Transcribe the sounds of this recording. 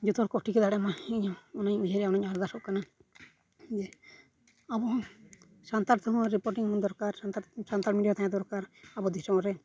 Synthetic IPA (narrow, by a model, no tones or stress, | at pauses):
d͡ʒut̪ɔɾkɔʈikɛd̪aɽɛmaiɲɔɔnaɲud͡ʒʱaɾɛaɔnaɲaɾd̪asɔʔkana | d͡ʒɛ | abɔ | sant̪aɾt̪ʰɔɦɔ̃ɾipɔɾʈiŋmɔnd̪ɔɾkaɾsant̪aɾmiɖiat̪aɲad̪ɔɾkaɾabɔd̪isɾɔɔɾɛ